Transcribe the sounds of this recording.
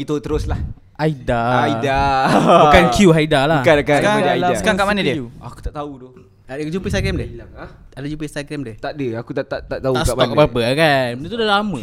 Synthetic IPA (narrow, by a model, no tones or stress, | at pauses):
it̪ot̪əɾoslah | ʔaidaaidabukankjuɦaidalahkaakaadaaiaasəkaɾakaʔmanədəuaku̥t̪aʔt̪aud̪o | d͡ʒumpəs̬taɡɾɛmde | adad͡ʒumpəst̪aɡɾɛmdɛht̪aʔdəakut̪aʔt̪aʔt̪aʔt̪auaskamɔk̚babəkandet̪udalamə̃